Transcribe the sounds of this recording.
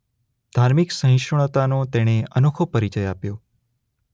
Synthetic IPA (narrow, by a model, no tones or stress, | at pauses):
d̪̥ʱaɾmiksə̃ɪ̃ʃɳ̃ət̪anot̪eɽ̃eənokʰopəɾit͡ʃəjapjo